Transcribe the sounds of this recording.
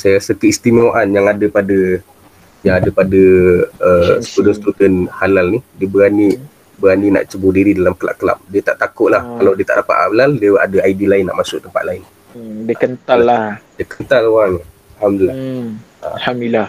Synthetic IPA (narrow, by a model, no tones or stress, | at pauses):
sajaɾasəkəist̪imaʔanjaŋadəpadə | jaŋadəpadəəsə̥kudənst̪ut̪ənhalalnidiəbəɾani | bəɾanina̰ʔt͡ʃəbʊdiɾidalamkəla̰ʔkəla̰p̚diət̪aʔt̪akʊʔlahkalawdiət̪a̰ʔapa̰ʔ̪a̰laldiəʔa̰dəaidilaɪnːa̰ʔmasʊ̰ʔt̪əmpa̰t̪̚laɪn | diəkənt̪alːahdiəkənt̪aloɣaŋ | alamdəlːa | a̰hamdila